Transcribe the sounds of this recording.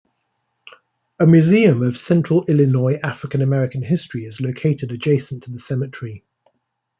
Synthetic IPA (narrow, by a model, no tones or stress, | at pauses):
əmjʉːziːə̃məv̥sɛ̃nt͡ʃɹ̥əlɪlɪnɔɪʔafɹɪkə̃nəmɛɹɪkə̃nɦɪstɹ̥iɪzləʊkʰeɪtʰɪdəd͡ʒeɪsə̃ntʰəðəsɛmɪt͡ʃɹ̥i